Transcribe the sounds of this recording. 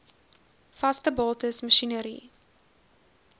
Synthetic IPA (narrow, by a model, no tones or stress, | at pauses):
fɐstəbɑːtəsməʃinəɾḭ